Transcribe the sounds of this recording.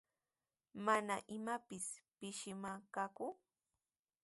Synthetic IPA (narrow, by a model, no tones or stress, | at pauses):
manaʔɪmapɪspɪʃɪmakakʊ